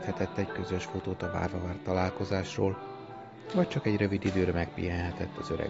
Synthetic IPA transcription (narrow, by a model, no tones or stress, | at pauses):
t̪hɛt̪ɛt̪ːɛɟkø̞zø̞ʃfot̪oːt̪ɒva̰ːrvɒvaːrt̪ːɒlaːlko̞zaːʃroːl | vɒc̚t͡ʃɒkɛɟrø̞vid̪id̪øːɾɛmɛk̚pḭjɛnɦɛt̪ɛt̪ːɒzøɾɛ̰